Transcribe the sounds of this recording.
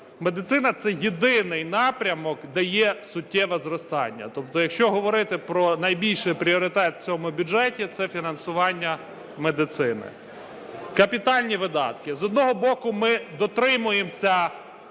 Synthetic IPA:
me̞d̪ɪt̪sɪnɐt̪sɛjed̪ɪnɪjnɑpɾʲɐmɔkd̪ɛjɛsʊtʲːɛʋɛzɾɔst̪ɑ̰nʲːɐ̰t̪ɔp̚t̪ɔjɐkʃt͡ʃɔɦɔʋɔɾɪt̪ɪpɾɔnɐjbʲilʲʃɪjpɾʲiɔɾɪt̪ɛt̪t͡sʲɔmʊbʲʊd͡ʒɛtʲit̪sɛfʲinɐnsʊʋɑnʲːɐ | med̪ɪt̪sɪnɪ̰ | kɐpʲit̪ɑlʲnʲiʋɪd̪ɑ̰t̪kɪzɔd̪nɔɦɔbɔkʊmɪd̪ɔt̪ɾɪmʊjemsʲɐ

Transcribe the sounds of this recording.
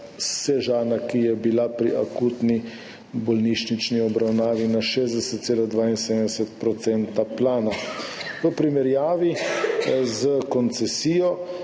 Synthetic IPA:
sɛʒaːnakijɛbilapɾiʔakuːt̪ni | bɔlniʃnit͡ʃniɔbɾawnaːʋinaʃeːzd̪ɛsɛt̪t̪seːlad̪ʋaːinsedmd̪ɛsɛt̪̚pɾɔt̪sɛnt̪aplaːnaʋəpɾimɛɾjaːʋi | zəkɔnt̪sɛsiːjɔ

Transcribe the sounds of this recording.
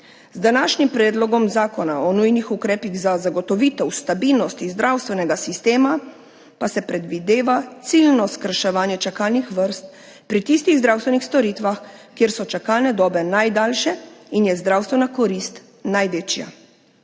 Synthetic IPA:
zd̪anaːʃnimpɾɛːd̪lɔɡɔmzaːkɔnaɔnujnixukɾɛːpiɣzazaɡɔt̪ɔʋiːt̪ɛwst̪abilnɔst̪izd̪ɾʔawst̪ʋɛnɛɡasist̪eːma | pasɛpɾɛd̪ʋid̪eːʋat̪silnɔskəɾʃɛʋaːnjɛt͡ʃakalnixʋəɾst̪̚ | pɾit̪ist̪iɣzd̪ɾawst̪ʋɛnixst̪ɔɾit̪ʋaxkjeːɾsɔt͡ʃakalnɛd̪ɔːbɛnajd̪alʃɛinjɛzd̪ɾawst̪ʋɛnakɔɾist̪ | najʋeːt͡ʃja̰

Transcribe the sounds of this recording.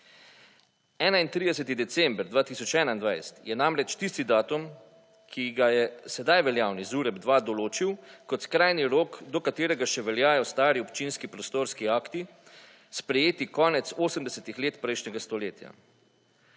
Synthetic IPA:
ɛːnaint̪ɾiːd̪ɛsɛt̪id̪ɛt̪sɛmbɾd̪ʋaːt̪isɔt͡ʃɛːnaind̪ʋajsɛ̥t̪jɛnamɾɛt͡ʃt̪ist̪id̪aːt̪um | kʰiɡajɛsɛd̪ajʋɛljaːwnizuːɾɛbd̪ʋaːd̪ɔloːt͡ʃiwkɔt̪skɾajniɾoːkd̪ɔkat̪eːɾɛɡaʃɛʋɛljaːjɔst̪aːɾiɔpt͡ʃinskipɾɔst̪oːɾskiaːkt̪i | spɾɛjeːt̪ikɔːnɛt̪soːsəmd̪ɛsɛt̪ixleːt̪pɾɛjʃnɛɡast̪ɔleːt̪ja̰

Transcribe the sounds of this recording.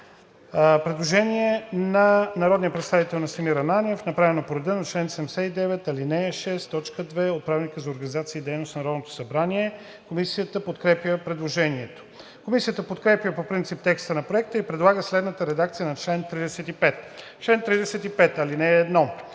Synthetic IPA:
pɾɛd̪lˠoʒɛnʲiɛnɐnɐɾɔd̪nijəpɾɛt̪st̪avit̪ɛlˠnɐsɐmiɾɐnanʲiɛfnɐpɾavɛnopoɾɛd̪ənɐt͡ʃlɛnsɛmɛsɛid̪ɛvɛt̪ɐlinɛʃɛst̪ːɔt͡ʃkəd̪vɛot̪̚pɾavnikəzɐoɾɡənizat̪siːd̪ɛjnosnɐɾɔd̪not̪o̥sɐbɾaniɛ | komisijət̪əpot̪kɾɛpjəpɾɛd̪lˠoʒɛniɛt̪o̥ | komisijət̪əpot̪kɾɛpjəpopɾint̪sip̚t̪ɛkst̪ənɐpɾoɛk̚t̪əipɾɛd̪lˠaɡəslɛd̪nət̪əɾɛd̪ak̚t̪sijənɐt͡ʃlɛnt̪ɾid̪ɛsɛt̪ipɛt̪ | t͡ʃlɛnt̪ɾid̪ɛsɛt̪ipɛt̪ɐlinɛːd̪nɔ

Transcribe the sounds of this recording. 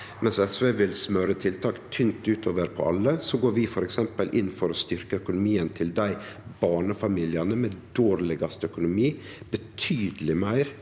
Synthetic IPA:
mʔɛnsɛsʋeʋɪlsmœɾət̪ʰɪlt̪ʰɑːkt̪ʰʏnt̪ʉːt̪ʰoːʋəɾpʰɔ̰ʔɑlːəsɔɡoːɾʋɪfɔɾɛksɛmpəlʔɪnːfɔɾɔst̪ʏɾkəœkʊnʊmiːənt̪ʰɪld̪æɪbɑːɳəfɑmiːlɪɑnəmeːd̪oːɾlɪɡɑst̪œkʊnʊmiː | b̥ət̪ʰyːd̪əlɪmæɪɾ

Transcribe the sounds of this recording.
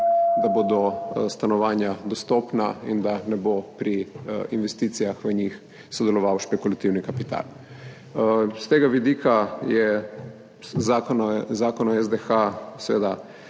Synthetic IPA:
d̪aboːd̪ɔst̪anɔʋaːnjad̪ɔst̪ɔːpnaḭnd̪anɛbopɾiinʋɛst̪iːt̪sijaxʋəɲix | sɔd̪ɛlɔʋawʃpɛkulat̪iwnikapit̪a̰ːl | st̪eːɡaʋid̪iːkajɛ | zaːkɔnɔzaːkɔnɔɛzd̪exasʋḛːd̪a

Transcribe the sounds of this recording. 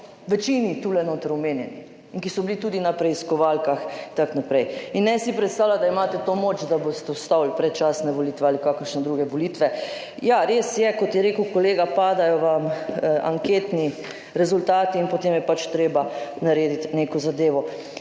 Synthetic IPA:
ʋɛt͡ʃinit̪ulɛnoːt̪əɾɔmeːnjɛni | iŋkisɔbilit̪uːd̪inapɾɛiskɔʋaːlkaxt̪aknapɾɛjinːɛsipɾɛt̪st̪aːwlad̪aimaːt̪ɛt̪omoːt͡ʃd̪abost̪ɛɔst̪awlpɾɛt̪t͡ʃaːsnɛʋolit̪ʋɛaːlikaːkəɾʃnɛd̪ɾuːɡɛʋolit̪ʋɛ | jaɾeːsjɛkɔt̪jɛɾeːkəwkoleːɡapaːd̪ajɔʋama̰ŋkeːt̪ni | ɾɛzult̪aːt̪iːnpɔt̪eːmjɛpat͡ʃt̪ɾeːbanaɾeːd̪it̪nekɔzad̪eːʋɔ

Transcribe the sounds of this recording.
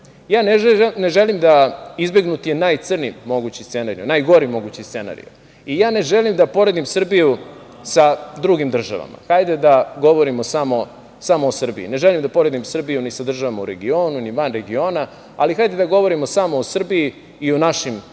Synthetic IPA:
jaːneneʒelimd̪aizbe̞ɡnut̪ijenaːjt̪sr̩nimo̞ɡut͡ɕist̪se̞naɾḭunajɡo̞ɾimo̞ɡut͡ɕist̪se̞na̰ɾḭjṵ | ijaːne̞ʒelimd̪apo̞ɾed̪imsr̩biju | sad̪ɾuɡimd̪r̩ʒa̰ʋa̰ma̰xajd̪ed̪aɡo̞ʋoɾimosamo̞ | samoːsr̩biḭne̞ʒelimd̪apo̞ɾe̞d̪imsr̩bijunisad̪r̩ʒaʋamauɾe̞ɡio̞ːnuniʋanɾe̞ɡio̞ːna | a̰lixajd̪ed̪aɡo̞ʋo̞ɾimo̞samoosr̩biiː | onaʃim

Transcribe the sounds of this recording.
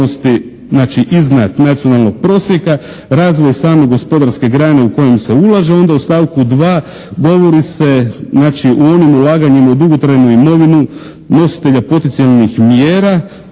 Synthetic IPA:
ost̪i | znaːt͡ʃiʔiznat̪nat̪sio̞nalˠno̞ɡ̚pɾo̞ːsje̞ka | ɾaːzʋo̞jsaːme̞ɡo̞spo̞d̪aɾske̞ɡɾane̞uko̞je̞mse̞ulˠaʒeo̞nd̪aust̪aːʋkud̪ʋaː | ɡo̞ʋo̞ɾise̞znaːt͡ʃiʔuo̞nimulaːɡaɲimaud̪uɡot̪ɾajnuimo̞ʋinu | no̞si̥t̪e̞ʎapo̞t̪ent̪sijalˠnixmjeːɾa

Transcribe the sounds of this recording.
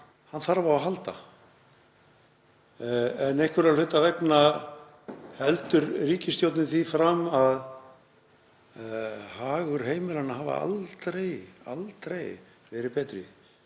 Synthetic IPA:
hanθaɾvaaɦalt̪a̰ | ɛnehkvʏɾalfʏt̪avɛkna | hɛlt̪ʏɾriːcɪst̪jowt̪nɪθifɾamað | haːɣʏɾ̥ɦeːjmɪlanːaɦaːva̰a̰lt̪ɾeja̰lt̪ɾej | vɛːɾɪpɛːt̪ɾʏ̰

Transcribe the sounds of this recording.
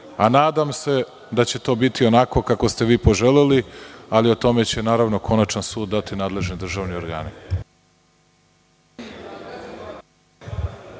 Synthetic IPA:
anaːd̪amse̞ | d̪at͡ɕe̞t̪o̞ːbit̪io̞nako̞kakost̪e̞ʋiːpo̞ʒelelialiot̪o̞me̞t͡ɕe̞naːɾaʋno̞kʰo̞nat͡ʃansuːd̪ːat̪inaːd̪le̞ʒnid̪r̩ʒaːʋnioɾɡa̰ːni

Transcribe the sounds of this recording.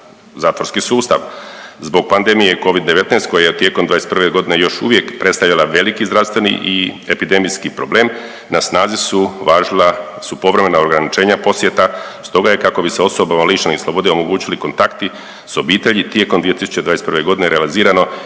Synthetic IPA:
zaːt̪ʋoɾskisuːst̪a̰ʋzbo̞ɡ̚pand̪e̞mijeko̞ʋid̪d̪eʋe̞t̪neːst̪ko̞jajet̪ːjekomd̪ʋaːjesprʋeɡo̞d̪inejo̞ʃṵʋje̞kpɾe̞t̪st̪alʎalˠaʋe̞likizɾaʋst̪ʋe̞nḭʔiepid̪e̞mijskipɾo̞ble̞ːm | nasnaːzisuʋaːʒla | supo̞ʋɾe̞me̞naoɾɡɾanit͡ʃe̞ːɲapo̞sjet̪ast̪o̞ɡajekako̞biseo̞so̞bamalit͡ʃneislˠo̞bo̞d̪eo̞mo̞ɡuːt͡ɕiliko̞nt̪akt̪i | so̞biːt̪e̞ʎit̪jekomd̪ʋie̞t̪isu̥t͡ɕed̪aːesprʋe̞ɡo̞d̪ine̞ɾealiziːɾano̞

